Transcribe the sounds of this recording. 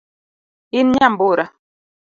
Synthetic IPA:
inɲamboɾa

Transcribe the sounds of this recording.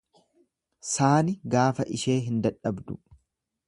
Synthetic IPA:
saːnɪɡaːfɐʔɪʃe̞ːɦɪnd̪ɐᶑɐbd̪ʊ

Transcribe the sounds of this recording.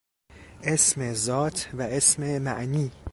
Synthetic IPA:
ʔe̞smezɒːt̪ʰvæesmemæʔniː

